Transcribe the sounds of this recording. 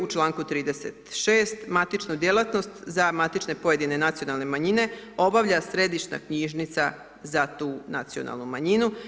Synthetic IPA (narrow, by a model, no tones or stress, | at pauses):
ut͡ʃlˠaːŋkut̪ɾiːd̪e̞se̞t̪ʃeːst̪mat̪it͡ʃnud̪jelˠat̪no̞st̪zamat̪it͡ʃne̞po̞je̞d̪ine̞nat̪sijo̞nalˠne̞maɲine̞o̞baʋʎasɾe̞d̪iʃna̰kɲiʒnit̪sa | zat̪uːnat̪sio̞̰nʔa̰lˠnumaɲinu